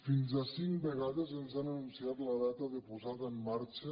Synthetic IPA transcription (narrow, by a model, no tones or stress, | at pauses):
finzasiŋkbeɣaðezenzanənunsiat̪ləðat̪əðepuzaðəemːaɾt͡ʃə